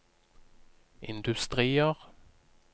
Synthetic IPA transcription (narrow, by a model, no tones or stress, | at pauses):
ɪ̰nd̪ʉst̪ʁiːəʁ